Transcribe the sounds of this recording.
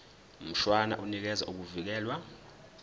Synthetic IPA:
m̩ʃwana̰ʔunik̬ɛza̰ʔuk̬uvik̬ɛːlwa

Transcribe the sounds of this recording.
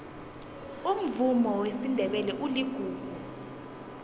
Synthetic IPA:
um̩vumɔwesindʱɛɓɛlɛʔuliɡ̥ʱuːku

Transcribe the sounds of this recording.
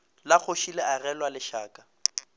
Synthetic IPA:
lak͡xʰoʃilearɛlwalɪʃaːkʼa

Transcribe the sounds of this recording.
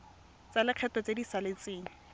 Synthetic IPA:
t͡salɪq͡χʰɛtɔt͡sedisalet͡seːŋ̩

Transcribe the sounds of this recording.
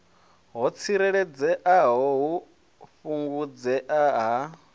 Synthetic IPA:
ɦɔt͡sʰiɾɛɺɛd͡zɛʔaɦɔɦu | ɸuŋɡud͡zɛʔaɦa

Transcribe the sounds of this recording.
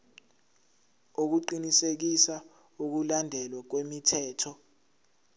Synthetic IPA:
ok̬uǃinisek̬isa | uk̬ulandʱɛlwak̬wemitʰɛːtʰɔ

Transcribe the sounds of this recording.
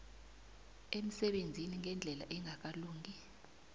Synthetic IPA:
em̩sɛɓend͡zʱiniŋɛnd͡ɮʱɛla̰ʔɛŋak̬ʼaluːŋʱi

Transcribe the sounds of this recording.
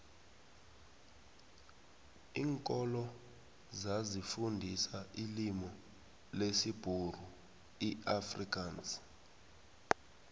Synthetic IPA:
iːŋkʼɔlɔ | zazifundʱisailimɔ | lesib̥ʱur̤u | iʔafrikʼans

